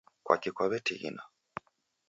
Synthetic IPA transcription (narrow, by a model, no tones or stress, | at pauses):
kwa̰kikɔβɛtiɣḭna